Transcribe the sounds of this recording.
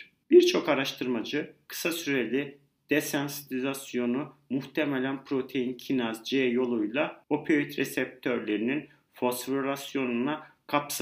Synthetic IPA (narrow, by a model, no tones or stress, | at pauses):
b̥iɾt͡ʃʰo̞kaɾaʃt̪ʰɯɾmad͡ʒɯkʰɯ̥sasyɾelʲi | d̪̥esansit̪izasjo̞numuht̪ʰemɛlʲænpʰɾo̞t̪ʰe̞jincʰinazd͡ʒejo̞lˠujlˠao̞pʰejyt̪ɾɛsɛp̚t̪ʰøɾlʲe̞ɾinin | fo̞sfɾasjo̞nunakʰaps